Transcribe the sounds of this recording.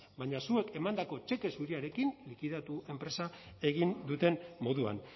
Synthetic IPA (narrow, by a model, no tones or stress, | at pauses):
baɲasue̞ke̞mand̪ako̞t͡ʃe̞ke̞suɾiaɾe̞kinlikiðat̪ue̞mpɾe̞sae̞ɣind̪ut̪e̞nmo̞ðua̰n